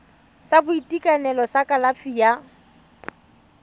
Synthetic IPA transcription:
sabʊitʼikʼanɛlɔsakʼalafʰija

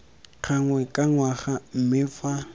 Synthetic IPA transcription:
χʰaŋwɛkʼaŋwaχam̩mɪfa

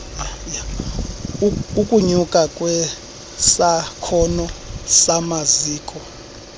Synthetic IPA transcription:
ukʼuɲukʼakʼwɛ | sakʰɔnɔsamaziːkʼɔ

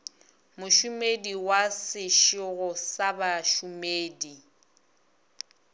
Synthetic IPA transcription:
mʊʃʊmediwasɪʃɪɣʊsabaʃumeːdi

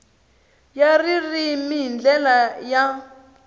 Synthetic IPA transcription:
jaririmind͡ɮɛlaja

